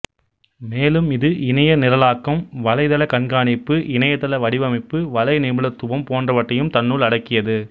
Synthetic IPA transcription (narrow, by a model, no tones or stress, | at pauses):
meːlɯmɪðɯʔɪnɐjɐnɪɾɐlaːkːɐmʋɐlɐɪðɐlɐkɐnɡaːɳɪpːɯʔɪnɐjɐðɐlɐʋɐɽɪʋɐmɪpːɯʋɐlɐɪnɪmɯlɐt̪ːʊʋɐmpoːndrɐʋɐʈːɐjɯmt̪ɐnːuːlɐɽɐkːɪjɐðɯ